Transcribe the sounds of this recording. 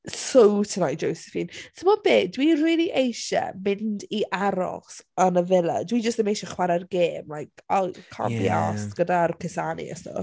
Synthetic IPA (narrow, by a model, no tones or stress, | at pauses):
sowtʰənajd͡ʒowsɛ̥fintʰəmɔbeːdwiriːlˠiʔejʃɛ̰mɪndiʔaɾɔ̰χsənəvɛlˠə̰dwid͡ʒəstɛmejʃɛχwaɾɛrɡeːmlajkɔkʰa̰bia̰stɡ̥ədarkʰɪsanḭɛ̰stɔ̰